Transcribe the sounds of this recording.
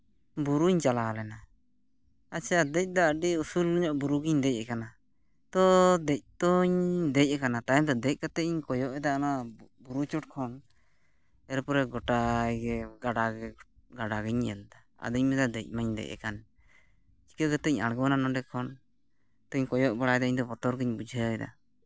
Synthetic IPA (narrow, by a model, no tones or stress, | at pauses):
buɾuɲt͡ʃalalɛna | at͡ʃʰiad̪ɛc̚ˀd̪aɖiusulːɔɲɔʔbuɾuɡiɲd̪ɛc̚ɛkana | t̪ɔd̪ɛc̚t̪ɔɲd̪ɛc̚ɛkanat̪ajɛmd̪ɔd̪ɛc̚kat̪ɛʔɲkɔjɔʔɛd̪aʔnabuɾut͡ʃuʈ̚kʰɔn | ɛɾupɔɾɛɡɔʈajɡɛɡaɖaɡɛ | ɡaɖaɡɛɲɛjand̪a | a̰d̪əc̚mɛd̪ad̪ɛc̚ˀmaɲd̪ɛ̰jc̚ɛ̰kan | t͡ʃi̥kəɡət̪ɛɲa̰ɽɡɔnanɔɖɛkʰɔn | t̪ɔɲkɔjɔʔbaɽajɛd̪aiɲd̪ɔbɔt̪ɔɾɡəɲbud͡ʒʱəɛd̪a̰